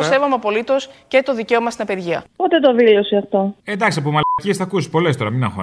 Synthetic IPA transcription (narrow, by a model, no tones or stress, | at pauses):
se̞vomeɐpo̞lit̪o̞sce̞t̪o̞ðice̞o̞mɐst̪inɐpe̞ɾʝiɐ̰pot̪e̞t̪oðilo̞siɐft̪o̞e̞nd̪ɐksɐpomɐlciesθɐkusi̥po̞le̞st̪o̞ɾɐminɐŋxo̰